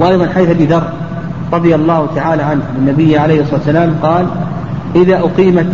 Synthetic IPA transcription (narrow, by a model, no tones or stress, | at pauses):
wʔajðˤɑnħajθʔabiːðɑrˤː | ɾˤɑðˤɨjalˤːɑːhʊt̪aʕaːlaːʕanhlɪnːabɪjːʕalejhsˤɑat̪ːsalaːmqɑːl | ʔɪðaːʔʊqiːmat̪